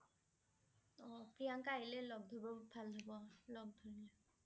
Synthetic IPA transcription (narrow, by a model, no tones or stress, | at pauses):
ɔpiaŋkajilɛlɔɡ̚dʱɔbɔbʱalɦɔbɔlɔɡ̚dʱɔɹilɛ